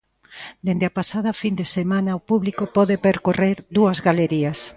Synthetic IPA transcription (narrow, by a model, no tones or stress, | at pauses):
d̪end̪ɪɐpasað̞ɐfind̪esemãnɐopuβlikopɔðepeɾkoreɾðuɐzɣaleɾiɐs